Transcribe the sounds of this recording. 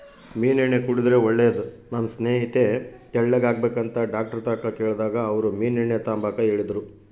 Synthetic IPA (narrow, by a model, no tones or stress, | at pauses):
miːniɳːekuɽid̪ɾe̞oɭːeːɐd̪u | nɐnɐsneːɦit̪e̞t̪ɛɭːeɡaːɡbeːkɐnt̪ɐɖaːk̚ʈɐɾt̪aːkɐkeːɭd̪aːɡɐːʋɐɾumiːniɳːet̪aːmbaːkɐeːɭid̪ɾu